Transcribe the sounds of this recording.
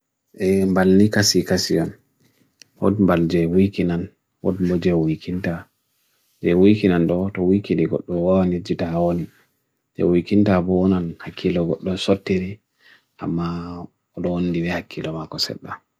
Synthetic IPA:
ʔɛmbalnikasikasijɔn | wɔ̰dmbald͡ʒɛwukinan | wɔ̰dmbɔd͡ʒɛwikʰinta | d͡ʒɛwujkinandɔtɔwikindiɡɔ̰ɗːɔwawanid͡ʒitahawoni | d͡ʒɛ̰wikintabɔwɔnanhakʰːilɔɡɔɗːɔsɔtːiɾi | ʔa̰mːa | ɔɗɔwondibɛhakʰːilɔmakɔsɛ̰ɗːa

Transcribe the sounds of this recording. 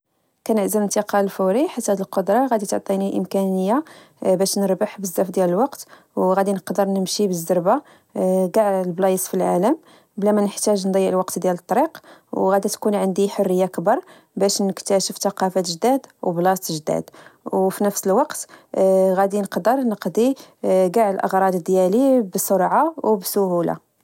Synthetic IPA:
kænəʕzəmənt̪əqɑlfuɾiħat̪ːhæd̪əlqod̪ɾˤɑɣæd̪it̪oʕt̪ˤiniʔəmkænəjːa | bæʃnəɾbəħbəzːæfd̪jæləlwɑqt̪ | wɣæd̪inəqd̪əɾˤnəmʃibəzːəɾba | ɡɑʕlblɑjəsˤfilʕa̰ləm | blæmænəħt̪æʒnd̪ˤɑjːəʕlwɑqt̪d̪jælət̪ˤːɑɾiqwɣæd̪it̪kunʕənd̪iħʊrːəjːakəbɑɾˤ | bæʃnəkt̪æʃəft̪ɑqɑfæt̪ʒd̪æd̪wblɑst̪ʒd̪æ̰d̪wfinəfsəlwɑqt̪ɣæd̪inəqd̪əɾˤnəqd̪iɡaʕəlʔə̰ɣɾˤɑd̪əd̪jælibəsˤoɾʕawbsʊhula̰

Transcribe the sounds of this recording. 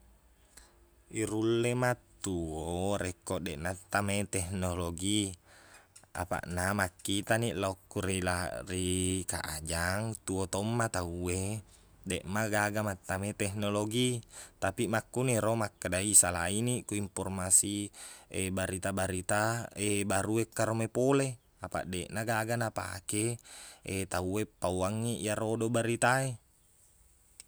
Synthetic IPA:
iɾulːemat̪ːuoɾekːoʔdeʔnat̪ːamet̪ɛhnoloɡi | a̰pa̰ʔnamakːit̪aniʔlaokːuɾelarika̰ʔad͡ʒaŋt̪uot̪omːat̪aue | deʔmaɡaɡamat̪ːamet̪ɛhnoloɡit̪apimakːuniɾomakːadaisalainikuimpɔrmasiebaɾit̪abaɾit̪aebaɾuekːaɾomepole | apa̰ʔdeʔnaɡaɡanapa̰keet̪auepːauaŋːiʔijaɾodobaɾit̪ae

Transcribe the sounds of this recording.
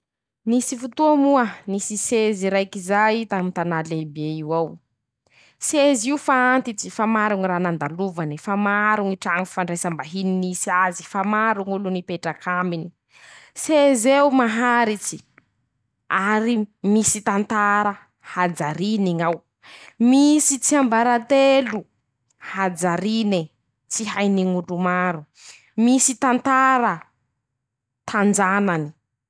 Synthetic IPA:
nisifut̪uamuənisiseziɾajkizajit̪amint̪analebeiwaw | seziufaant̪it͡sifamaɾuŋiraːnand̪aluvanifamaɾuŋiʈ͡ʂaŋifaɳɖ͡ʐejsəmbaɦininisiazi̥famaɾuŋulunipeʈ͡ʂakʰamini | sezewmaɦaɾit͡si̥ | aɾimisit̪ant̪aɾa | had͡zaɾiniŋaw | misit͡siambaɾat̪elu | had͡zaɾini | t͡siɦajniŋuɖ͡ʐumaɾu | misit̪ant̪aɾə | t̪ʰand͡ʒanani̥

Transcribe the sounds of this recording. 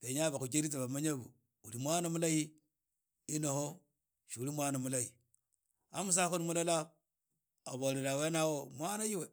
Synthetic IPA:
peɲabakut͡ʃeɾit̬aβamaɲabṵ | uɾimʷanamulaji | inoho | ʃiuɾimʷanamulaji | amus̬akonmulala | aboɾeɾawenawomʷanajiwe

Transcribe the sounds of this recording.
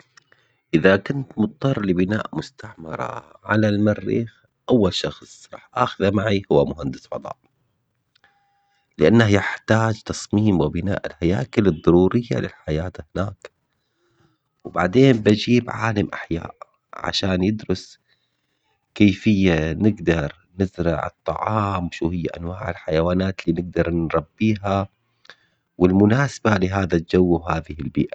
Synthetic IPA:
ʔɪðakʊnt̪mʊt̪̚ˤt̪ˤːɑrˤːlɪbɪna̰ːʔmʊst̪aʕmɑ̰ɾˤɑ̰ʕa̰lalmarːḭːx | ʔawːalʃɑxsˤɾˤɑːħʔaːxʊðamaʕihʊwːamʊhand̪ɪ̥sfɑd̪ˤɑ̰ːʔ | lɪʔanːahjɪħt̪aːd͡ʒt̪ɑsˤmiːmwɪbɪna̰ːʔɪlhajaːkɪlɨd̪ˤːɑɾuːɾɪjːa̰lɪlħajaːt̪hɪnaːk | wba̰ʕd̪eːmbad͡ʒiːbʕaːlamʔaħja̰ːʔ | ʕa̰ʃaːnjɪd̪ɾʊs | keːfɪjːanɪɡd̪ɑɾˤ | nɪzɾɑ̰ʕɨ̰t̪ˤːɑ̰ʕɑːmwʃuːhɪjːaʔa̰nwaːʕɪlħajawaːnaːt̪liːnɪɡ̚d̪ɑɾˤnɾˤɑbːiːɦa | wɪlmʊnaːsḁbalɪɦaːðald͡ʒawːawhaːðɪhɪlbḭːʔa

